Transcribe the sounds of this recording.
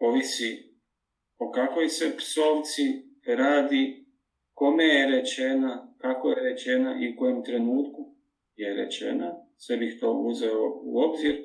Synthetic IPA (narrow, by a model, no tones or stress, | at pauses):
o̞ʋisi | o̞kakʋo̞jse̞pso̞ːʋt̪siɾaːd̪i | ko̞mejeɾet͡ʃe̞nakako̞jeɾe̞t͡ʃe̞naʔiuko̞jomt̪ɾe̞nuːt̪ku | jeɾe̞̰t͡ɕe̞̰nasʋebixt̪o̞ːuzeoṵo̞bziɾ